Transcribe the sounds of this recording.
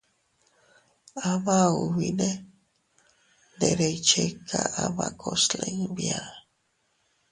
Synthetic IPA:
aβauwine | d̪eɾejt͡ʃekʰaʔaβakʰosleŋbja

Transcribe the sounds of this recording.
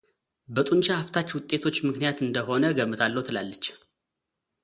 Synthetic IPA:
bət̪ʼunt͡ʃahaft̪ʰat͡ʃːwʊt̪ʼːe̞t̪ʰo̞t͡ʃːmɨknijat̪ɨnd̪əɦo̞nəɡəmːɨt̪ʰalːəwt̪ʰɨlalːət͡ʃː

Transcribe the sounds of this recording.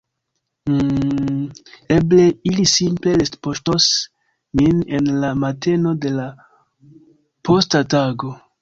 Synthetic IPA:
e̞ble̞ilisimple̞lestpoʃtos | mine̞nlamate̞no̞de̞la | pʰo̞stataɡo̞

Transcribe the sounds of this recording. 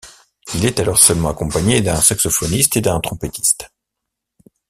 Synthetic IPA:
ilɛt̪alɔʁsœlmɑ̃akɔ̃paɲed̪ɛ̃saksɔfɔnist̪ed̪ɛ̃t̪χɔ̃pet̪i̥st̪

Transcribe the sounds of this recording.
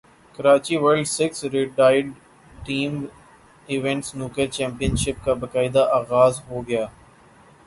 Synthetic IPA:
kɐɾaːt͡ʃiʋəɾlɖsɪksɾɪʈaːɪɖ | ʈiːm | ɪʋɛ̃ɳʈsnuːkəɾt͡ʃɛ̃ːmpijə̃nʃɪp̚kabɐkaːɪd̪aʔaːɣaːzɦoɡɐjaː

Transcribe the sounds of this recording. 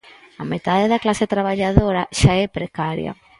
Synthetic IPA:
amet̪aðeðɐklaset̪ɾaβ̞aʎaðoɾaʃaɛpɾekaɾjɐ̰

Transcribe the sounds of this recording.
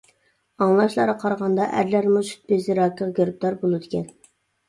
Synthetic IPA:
ɑŋlˠɑʃlˠɑɾɑqʰɑɾʁɑnd̪ɑʔæ̰ɾlæɾmuʃy̥t̪̚bezɪɾɑːkʲʰəʁɡʲøɾp̚d̪ɑɾbolˠɨd̪ɪkʲʰɛn

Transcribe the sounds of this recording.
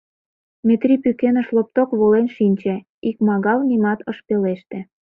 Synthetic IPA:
met̪rʲipykenəʃlop̚t̪okβolenʃinʲt͡ɕe | ikmɑɣɑlnimɑt̪ʰəʃpeleʃt̪ĕ

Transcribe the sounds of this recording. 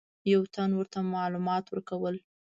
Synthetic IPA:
jawt̪anwəɾt̪amɑlumɑt̪wəɾkawəl

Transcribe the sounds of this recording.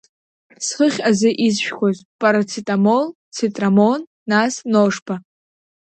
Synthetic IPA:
sχəχʲazɨʔizʃᶣkʷʰozpʼaɾat͡sʰitʼamol | t͡sʰitʼramonːasnoʂpʰa

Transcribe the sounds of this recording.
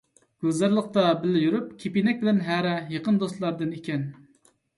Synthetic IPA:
ɡ̥ʲøzæɾlˠəq̚t̪ɑbɪlɪjyɾyp̚kʲʰepinɛk̚ʲbɪlɛnɦæɾɛjeqənd̪ost̪lˠɑɾd̪ɨnikʲʰɛn

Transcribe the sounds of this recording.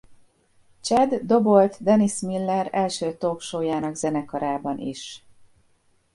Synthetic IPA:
t͡ʃɛd̪ːo̞bo̞lt̪d̪ɛnismilːɛɾɛlʃøːt̪oːkʃoːjaːnɒɡzɛnɛkɒɾaːbɒnḭʃ

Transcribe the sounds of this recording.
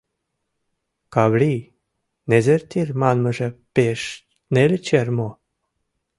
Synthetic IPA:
kaβli | nezert̪ʲirʲmanməʒəpeʃ | nelʲt͡ɕermo

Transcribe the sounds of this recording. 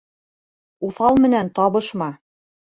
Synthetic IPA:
uθɑlˠmɘ̆nænt̪ɑβɤ̆ʃmɑ

